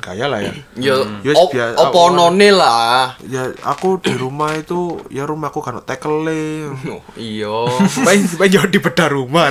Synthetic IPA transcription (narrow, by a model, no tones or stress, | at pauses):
ɡ̥ajalahja̰jajabiaopɔnɔnelahjaa̰kud̥iɾumahit̪ujaɾumahakuɡanɔ̰ʔt̪ɛkəlɪ | iɔsupaɪŋsipaɪɲd͡ʒawadipəd̥aɾuma